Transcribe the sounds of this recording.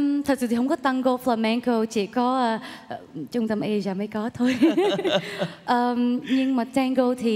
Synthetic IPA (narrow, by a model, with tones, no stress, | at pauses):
t̪ʰə˨˩t̚sɨ̰˧˨˩t̪ʰi˨hwŋ͡mkɔ˨˦t̪a˧ŋɣo˧flaː˧mɛ˧ŋko˧t͡ɕi˧˩kɔ˨˦ʔəː˧˩˧t͡ɕʊ˧ŋ͡mt̪ə˧mʔe˧zaː˨˩mə˨˦jkɔ˨˦t̪ʰo˧j | ʔəː˨˩mɲɨ˧ŋmaː˨˩tɛː˧ŋɣo˧t̪ʰi˨˩